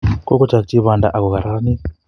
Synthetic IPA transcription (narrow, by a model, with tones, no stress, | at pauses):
ko˦ko˦t͡ʃa˨kt͡ʃi˦βa˨nda̰˨ʔa˨ko˨ɣa˨ɾa˦ni˦